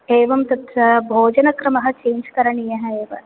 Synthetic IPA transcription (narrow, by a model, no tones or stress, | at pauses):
eːʋɐmt̪ɐt̪ɾɐbʱoːd͡ʒɐnɐkɾɐmɐɦɐ̆t͡ʃẽːnd͡ʒkɐɾɐɳijeɦɛ̃eːʋɐ̰